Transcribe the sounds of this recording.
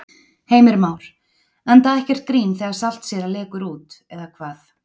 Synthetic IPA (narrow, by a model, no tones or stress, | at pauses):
heːjmɪɾmaːwɾ̥ | ant̪aðɛhcɛr̥t̪̚kɾiːnθɛːɣaɾ̥sal̥t̪sjɛɾalɛːkʏɾuːt̪ɛðakʰvaːθ